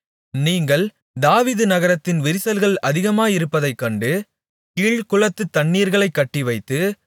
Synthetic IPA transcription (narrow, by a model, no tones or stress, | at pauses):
niːŋɡɐɭ | d̪aːʋiːðɯnɐɣɐɾɐt̪ːɪnʋɪɾɪsɐlɣɐɭɐðɪɣɐmaːjɪɾɯpːɐðɐɪkːɐɳɖɯ | kiːɭkʊɭɐt̪ːɯt̪ːɐɳːiːɾɣɐɭɐɪkːɐʈːɪʋɐɪt̪ːɯ